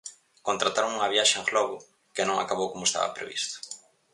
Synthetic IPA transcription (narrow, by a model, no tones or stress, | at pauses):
kont̪ɾat̪aɾoŋuŋɐβjaʃeeŋɣlɔɣʊ | kɪnõŋa̰kaβowkomoest̪a̰βɐ̰pɾḛβḭst̪ʊ̥